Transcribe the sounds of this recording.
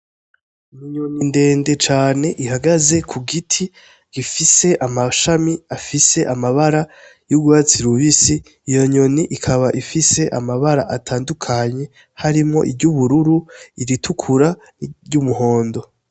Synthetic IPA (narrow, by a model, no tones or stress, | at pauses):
miɲoninde̞ːnde̞t͡ʃaːne̞ʔihaɡaze̞kʰuɡitʰi | ɡifise̞ʔamaʃamiafise̞ʔamaβaɾa | juɡwaːt͡siɾuβisiː | jo̞ɲo̞niʔikʰaβaʔifise̞ʔa̰maβaɾa̰ʔatʰaːndukʰaɲe̞ | haɾimŋo̞̰ʔibɟuβuɾuɾuiɾitʰukʰuɾa | ɟumuho̞ːndo̞